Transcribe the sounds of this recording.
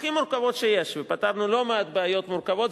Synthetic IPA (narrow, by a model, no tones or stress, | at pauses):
χimuɾkavo̞t̪ʃejeʃvepat̪avnulo̞meat̪beajo̞t̪muɾkavo̞t̪